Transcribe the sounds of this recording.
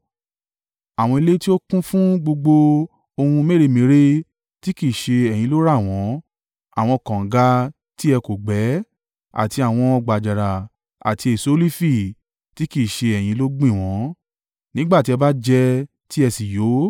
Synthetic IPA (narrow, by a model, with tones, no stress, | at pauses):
a˨w̃ɔ̃˧i˧le˦ti˦o˦kũ˦fũ˦ɡ͡bo˧ɡ͡bo˧ | o˧hũ˧me˦˨e˧˨mĩ˨˦ɾe˦ | ti˦ki˦˨ʃe˧ɛ˨j̃ĩ˨˧˦lo˦ɾa˦˨w̃ɔ̃˨˦ | a̰˦˨w̃ɔ̃˧kã˨ɡa˧˦ | ti˦ɛ˧ko˨ɡ͡bɛ˨˦ | a̰˨ti˧a˨w̃ɔ̃˧ɔ˧ɡ͡ba˨d͡ʒa˨ɾa˨ | a̰˨ti˧e˨so˨˦li˦fi˦˨ | ti˦ki˦˨ʃe˧ɛ˨j̃ĩ˨˧lo˦ɡ͡bĩ˦˨w̃ɔ̃˨˦ | nĩ˦ɡ͡ba˦˨ti˨˦ɛ˧ba˦d͡ʒɛ˧ | ti˦ɛ˧si˨jo˨˦